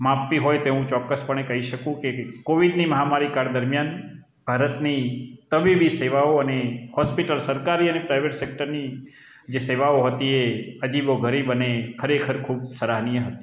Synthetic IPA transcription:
mãpt̪iɦojt̪eũt͡ʃɔkːəspəɳekəɦiʃəkũkekoʋiɖniməɦamaɾikaɾd̪əɾmjan | b̥ʱaɾət̪nit̪əbibiseʋaoənehɔspiʈəlsəɾkaɾiənepɾaiʋeʈsek̚ʈəɾni | d͡ʒeseʋaoɦət̪ieəd͡ʒiboɡʱəɾibənekʰəɾekʰəɾkʰubsəɾaɦnijəɦət̪i̥

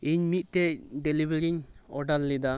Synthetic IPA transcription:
iɲmit̪̚ˀt̪ɛcɖɛlibɛɾiɲɔɖalːid̪a

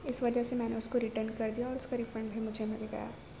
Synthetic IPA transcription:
ɪsʋɐd͡ʒəɦsemɛ̃ːneʊskoɾɪʈənkɐɾd̪ijaɔːɾʊskaɾɪfɾə̃ɳɖbʱimʊd͡ʒʱemɪlɡɐ̰ja̰ː

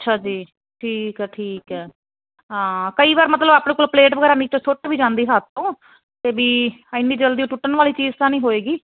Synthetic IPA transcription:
ətːʃʰaːd͡ʒiː | ʈʰiːkɛːʈʰiːkɛː | ɦãːkəiːʋaːɾmət̪ləbaːpnẽːkoːlpleːʈʋəɡɛːɾaːniːt̪õːsoʈbiːd͡ʒãːnd̪iːɦaːt̪õː | t̪eːbiːɪnːiːd͡ʒəld̪iːũːʈʊʈːənʋaːliːt͡ʃiːzt̪ãːnĩːɦoːeːɡiː

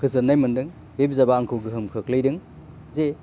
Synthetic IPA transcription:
kʰɯzɯɾnajmɯndɯŋ | bebizabaːŋkʰɯwɡɯɦɯmkʰɯklɯjdɯŋ | ze

